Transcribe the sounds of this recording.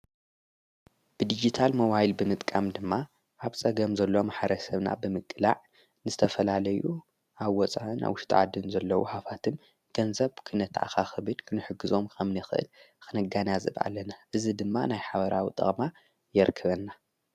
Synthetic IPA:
b̥ɨd̪id͡ʒit̪ʰalmɐwajlbɨmɨt̪ʼkʼamd̪ɨmːa | ʔaβt͡sʼɐɡɐmzɐlːo̞maħɾɐsɐβna̰bɨmɨkʼːɨla̰ʕ | nɨzɨt̪ʰɐfɐlalɐju | ʔaβwɔt͡sʼa̰ʔɨna̰βwʊʃt̪ʰʕa̰d̪ɨnzɐlːɐwṵħafat̪ʰɨm | ɡ̥ɐnzɐβkʰɨnɐt̪ʰʕa̰xaxɨβɨd̪kʰɨnɨħɨɡɨzo̞mkʰɐmnɐxɨʔɨ̰l | xɨnɐɡanazɨβʔa̰lːɐnaʔɨzid̪ɨmːanajħaβɐɾʔawit̪ʼɐ̰χʼma | jɛɾkʰːɐβɐnːa

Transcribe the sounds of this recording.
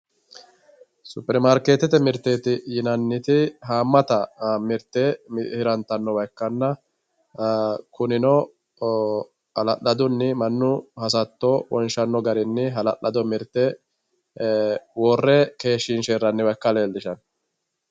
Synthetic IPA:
sʊpːɛɾmaːɾkeːt̪ɛt̪ɛmɪɾt̪ːet̪ɪjɪnɐnːɪt̪ɪɦaːmːɐt̪ɐmɪɾt̪ːɛmhɪɾɐnt̪ɐnːɔwɐjkːɐnːɐ | kʊnɪnɔ | hɐlɐʔɐd̪ʊnːɪmɐnːʊhɐs̬ɐt̪ːɔwɔ̰nʃɐnːɔɡɐɾɪnːɪɦɐlɐʔɐd̪ɔmɪɾt̪ːɛ | wɔrːɛke̞ːʃːɪnʃeɾːɐnːɪwɐjkːɐleːld̪ɪʃɐn

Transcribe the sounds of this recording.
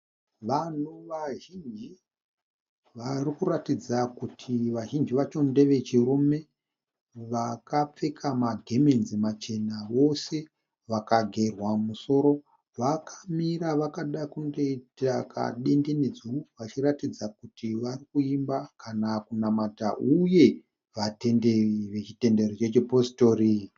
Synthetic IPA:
ʋan̤uʋaʒind͡ʒi | ʋarikuratid͡zakutʰiʋaʒind͡ʒiʋat͡ʃo̞nde̞ʋe̞t͡ʃirume̞ | ʋakap͡fe̞kʰamaɡʱe̞menzimat͡ʃe̞naʋo̞se̞ | ʋakaɡʱe̞rwamuso̞ɾo̞ | ʋakʰamiɾaʋakaɗakuŋɡeitakʰa̰ɗe̞nde̞ned͡zuwuʋat͡ʃiratid͡zakutʰiʋarikuimbakanakunamataʔuje̞ | ʋate̞nderiʋe̞t͡ʃite̞nde̞rot͡ʃe̞t͡ʃeposto̞ri

